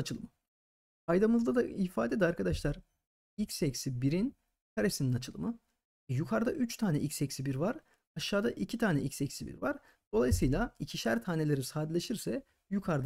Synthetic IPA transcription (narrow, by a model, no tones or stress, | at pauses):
at͡ʃʰɯlˠɯ̰mɯ | ajd̪amɯzd̪ad̪aifaːd̪ed̪aɾkʰad̪aʃlˠaɾ | ilcʲsɛcsibiɾin | kʰaɾe̞sininat͡ʃʰɯlˠɯ̰mɯ | ɛjukʰaɾd̪aʔyt͡ʃt̪ʰaːnʲɛ̰ʔicʲsɛcsibiɾvaɾ | aʃːaːd̪aʔicʰit̪ʰaːnɛ̰icʲsɛcsibḭɾvaɾ̥ | d̪̥o̞lˠajsɯjlʲˠaicʰiʃæɾt̪ʰaːne̞lʲe̞ɾisaːd̪lʲe̞ʃiɾsɛ | jukʰaɾd̪